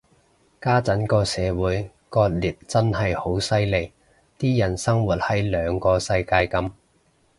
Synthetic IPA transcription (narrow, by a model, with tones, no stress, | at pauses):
kaː˥t͡sɐ˨˥nkɔː˧sɛː˨˧wuː˨˥j | kɔː˧t̚liː˨˩t̚t͡sɐ˥nhɐ˨jho˨˥wsɐ˥jle˨˩j | t̪iː˥jɐ˨˩nsɐ˥ŋwuː˨˩t̚hɐ˨˥jlœː˨˧ŋkɔː˧sɐ˧jkaː˧jkɐ˧m